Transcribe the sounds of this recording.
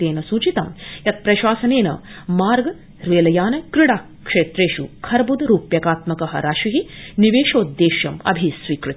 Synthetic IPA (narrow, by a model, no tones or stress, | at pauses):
eːnɐsuːt͡ʃit̪ɐ̰mjɐt̪̚pɾɐʃaːsɐneːnɐ̰maːɾɡɐ | ɾʋeːlɐjaːnɐkɾiɽaːkʂeːt̪ɾeːʃukʰɐɾbud̪ɾuːpjɐkaːt̪mɐkɐɦɐ̰ɾaːʃiɦiniʋeːʃoːd̪ːeːʃjɐmɐ̰bʱisʋiːkɾut̪